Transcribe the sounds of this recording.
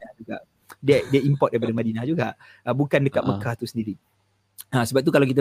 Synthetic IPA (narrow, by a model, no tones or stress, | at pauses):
ad͡ʒuɡa̰ʔ | diədiəimpɔt̚dajpadəmadinahd͡ʒuɡaʔ | əbukandəkat̪̚məkaht̪usəndiɾi | əsəbap̚t̪ukalawkit̪a